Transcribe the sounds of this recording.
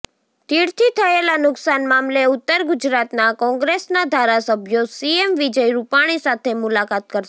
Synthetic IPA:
t̪iɽt̪ʰit̪ʰəelanʊksanmamleʊt̪ːəɾɡʊd͡ʒɾat̪nakɔ̃ŋɡɾesnad̪ʱaɾasəbʱjosiemʋid͡ʒəjɾupaɽ̃isat̪ʰemʊlakat̪̚kəɾʃ

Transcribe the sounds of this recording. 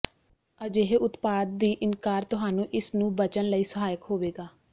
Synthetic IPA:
əd͡ʒeːɦeːʔʊt̪paːd̪̚ːiːʔɪnkaːɾt̪ʊɦaːnũːʔɪsnũːbət͡ʃənləiːsəɦaːjəkɦoːʋeːɡaː

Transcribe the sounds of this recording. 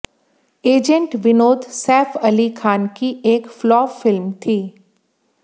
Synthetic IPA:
eːd͡ʒə̃ɳʈʋɪnoːd̪sɛːfʰɐlikʰaːnkieːkflɔːfɪlmt̪ʰiː

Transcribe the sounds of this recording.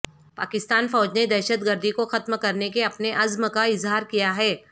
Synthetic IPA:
pa̰ːkɪst̪aːnfɔːd͡ʒned̪ɛːʃət̪ɡəɾd̪ʱikoxɐt̪mkɐɾnekeɐpneʔɐzməkaɪzɦaːɾkijaɦɛː

